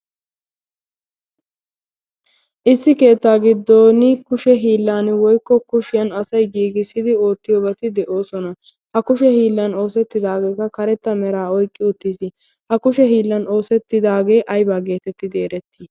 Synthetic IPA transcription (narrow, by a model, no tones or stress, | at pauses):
ʔɪsːɪke̞ːt̪ːaːɡɪd̪ːoːnɪkʊʃɛɦiːlːaːnwɔjkːɔkʊʃɪjɐnɐsɐjɡiːɡɪsɪd̪ɪo̞ːt̪ːɪjoːbɐt̪ɪd̪ɛʔo̞ːsɔnɐ | hɐkʊʃɛhiːlːɐno̞ːsɛt̪ːɪd̪aːɡe̞ːkːɐkɐɾɛt̪ːɐmɛɾaːɔjkʼːɪʊt̪ːiːsɪ | hɐkʊʃɛɦiːlːɐno̞ːsɛt̪ːɪd̪aːɡe̞ːʔɐjbaːɡe̞ːt̪ɛt̪ːɪd̪e̞ːɾɛt̪ːɪ